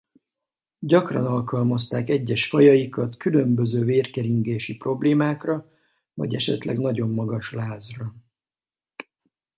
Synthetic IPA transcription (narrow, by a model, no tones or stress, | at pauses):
ɟɒkrɒ̰nɒlkɒlmɒst̪aːkɛɟːɛʃfɒjɒjikɒt̪kylø̞mbø̞zøːveːrkɛɾiŋɡeːʃipro̞bleːmaːkrɒ | vɒ̰ɟɛʃɛ̰t̪lɛ̰ɡn̪ɒɟo̞mːɒɡɒʃlaːzrɒ